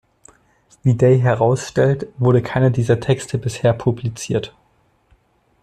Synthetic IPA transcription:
v̥iːdeɪɦɛʁaʊsʃtɛltv̥ʊɐɾəkʰaɪnədiːzɐtʰɛkstʰəbɪsheːɐpʰublit͡siːɐt

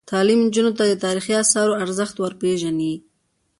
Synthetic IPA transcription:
t̪ɑlimnd͡ʒunot̪ad̪ət̪ɑɾixiasɑɾoaɾzəxt̪wəɾpeʒani

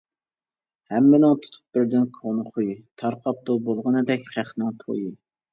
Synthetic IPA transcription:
hɛmːɪnɪŋt̪ʰu̥t̪ʰʊ̥p̚bɪɾd̪ɪnkʰonχʰujit̪ʰɑɾqʰɑp̚t̪ubolˠʁənɨd̪ɛkʲχæχnɪŋt̪ʰo̰ji

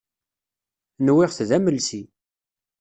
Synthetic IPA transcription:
nwɪʁθðæməlsi

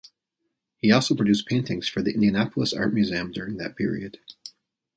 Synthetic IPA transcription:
hiɔlˠsoʊpʰɹ̥ɨdʉspʰẽɪ̃ntɪ̃ŋz̥fə˞ðiʔɪ̃ndiɨnæpl̩ˠəsɑ̰ɹt̚mjʉziɨ̃mdʊɹɪ̃ŋðɨt̚pʰɪɹḭɨd̥

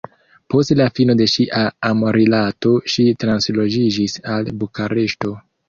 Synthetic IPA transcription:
po̞stlafino̞de̞ʃiʔaːmoɾilato̞ʃitɾanslo̞d͡ʒid͡ʒisalbukaɾe̞ʃto̞

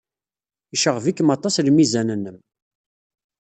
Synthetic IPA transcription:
iʃəʁvikːəmɑt̪ˤɑslmizænənːəm

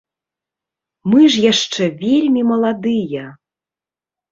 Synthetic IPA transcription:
mɨʐjaʂt͡ʂɛvʲelʲmʲimɐlˠad̪ɨjɐ

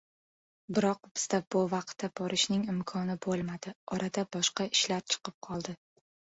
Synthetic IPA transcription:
bɪɾɒq̚bɪz̥d̪abʊvɑq̚t̪ːabɒɾɪʃnɪŋɪmkʰɒnɪbolˠmad̪̥ɪɒɾʔad̪abɒʃqɑɪʃlaɾt͡ʃʰɨ̥qʰɨp̚qʰɒlˠd̪ɪ

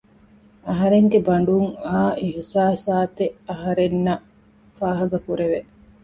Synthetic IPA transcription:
ɐɦɐɾeŋɡebɐɳ̆ɖuŋaːihsaːsaːt̪eʔɐɦɐɾenːɐ | faːɦɐɡɐkuɾeʋe

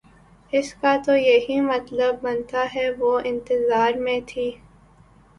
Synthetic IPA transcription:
ɪskat̪ojɐɦimɐt̪ləbːɐnt̪aɦɛʋoːɪ̃nt̪ɪzaːɾmẽt̪ʰiː

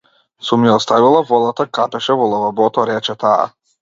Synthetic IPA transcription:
sumiɔst̪avilˠavɔd̪ˠat̪akapɛʃɛvɔlˠavabɔt̪ɔɾɛt͡ʃɛt̪aa̰

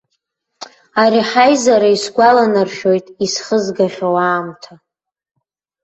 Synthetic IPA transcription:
aɾiħajzaɾaisɡʷalanarʃᶣo̞jtʼisχəzɡaχʲᶣowaːmtʰa

